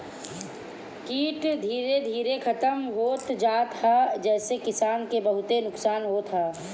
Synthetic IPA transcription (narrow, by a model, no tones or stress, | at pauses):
kiːʈd̪ʱiːɾed̪ʱiːɾekʰɐt̪əmɦoːt̪d͡ʒaːt̪ʰad͡ʒɛːsekɪsaːnkebəɦʊt̪enʊksaːnɦoːt̪ʰɦaː